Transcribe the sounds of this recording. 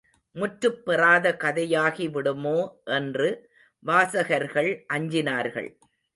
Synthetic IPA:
mʊʈɾɯpːɪraːðɐkɐðɐjaːɣiʋɪɽɯmoːʔɛndrɯ | ʋaːsɐɣɐɾɣɐɭʔɐɲd͡ʒɪnaːɾɣɐ̰ɭ

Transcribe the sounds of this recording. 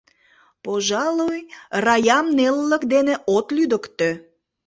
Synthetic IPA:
poʒɑlojrɑjɑmnelːə̆kd̪eneʔot̪lyd̪əkt̪ø

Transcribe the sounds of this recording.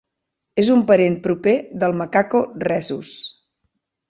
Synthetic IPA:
ezumpəɾempɾupeðəlˠməkakorɛzus

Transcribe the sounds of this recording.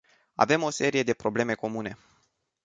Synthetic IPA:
a̰ve̞mo̞se̞ɾije̞d̪e̞pɾo̞ble̞me̞ko̞mune̞

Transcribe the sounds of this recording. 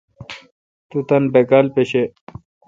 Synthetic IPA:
t̪ut̪ɐnbekalpeɕe

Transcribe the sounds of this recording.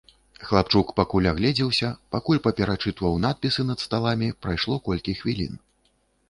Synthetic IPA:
xlˠap̚t͡ʂukpakulʲaɣlʲɛd͡zʲɛwsʲɐpakulʲpɐpʲɛɾat͡ʂɨt̪vɐwnat̪̚pʲisɨnɐt̪st̪alˠamʲipɾajʂlˠɔkɔlʲkʲixvʲilʲḭn

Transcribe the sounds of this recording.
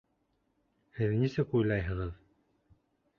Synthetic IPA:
hɘðnisɘkujlˠɑjɦɤ̆ʁɤð

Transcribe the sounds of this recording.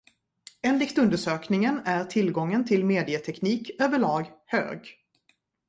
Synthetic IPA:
eːnlɪkt̪ɵnd̪əʂøːknɪŋənæɾʈʰɪlɡɔŋːənt̪ʰɪlmeːd̪ɪət̪ʰɛkniːkøːvəɭɑːɡhø̰ːɡ

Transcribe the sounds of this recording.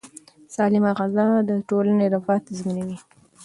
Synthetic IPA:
sɑlɪmaɣazɑd̪əʈolaneɾafɑt̪zmənawi

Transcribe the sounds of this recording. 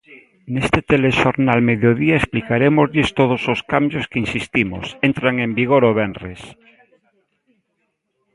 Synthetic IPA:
nest̪et̪eleʃoɾnalmeðjoðiaesplikaɾemozʎest̪oð̞ososkambjoskeinsist̪imo̰sent̪ɾaŋẽmbiɣ̞oɾoβ̞enres

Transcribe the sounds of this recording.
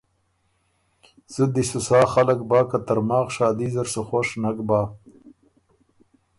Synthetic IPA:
z̥ud̪isusɑːxalak̚bɑːkat̪aɾmɑːɣʃɑːd̪iːzaɾsuxoʂnakbaː

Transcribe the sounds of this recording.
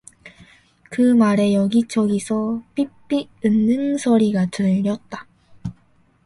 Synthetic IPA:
kɯmaɾe̞jʌɡit͡ɕʰʌɡisʰʌp͈ip͈i | ɯnːɯŋsʰʌɾiɡatɯʎːʌt̚t͈ḁ

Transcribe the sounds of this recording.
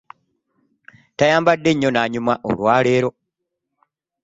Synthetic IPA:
tajaːmbadːe̞ɲːo̞naɲumaʔo̰lwaːle̞ːɾo̞

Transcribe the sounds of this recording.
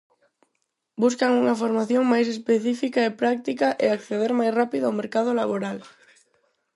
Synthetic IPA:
buskaŋuŋafoɾmaθjoŋmajs̬espeθifikaepɾak̚t̪ikaʔeakθeðeɾmajsrapiðʊawmeɾkað̞olaβoɾal

